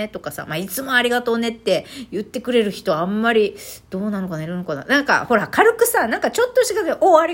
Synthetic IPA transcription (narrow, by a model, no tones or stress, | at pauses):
et̪o̞kasa̰mait͡sɨmo̞aɾʲiɡat̪o̞ːne̞t̪ːe̞jɯ̟t̪ːe̞kɯ̟ɾe̞ɾɯ̟çi̥t̪o̞amːaɾʲid̪̥o̞ːnanokanaiɾɯ̟nokana̰nãŋka̰ho̞ɾakʰaɾɯ̟kɯ̟sanãŋkat͡ɕo̞t̪ːoɕikazeʔoːaɾʲi